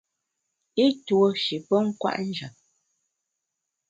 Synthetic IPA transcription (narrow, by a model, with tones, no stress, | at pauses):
e˦two˨ʃi˨pə˦ŋ̩˦kwa̰˦ʔn̩˦d͡ʒə˨p̚